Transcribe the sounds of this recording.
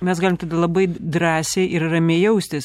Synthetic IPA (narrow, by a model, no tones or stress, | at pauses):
mʲɛsɡɑːlʲɪmt̪ɐd̪ɐlˠɐbɐɪd̪ɾɑːsʲɛɪʔɪɾrɐmʲeːjɛʊsʲt̪ʲɪs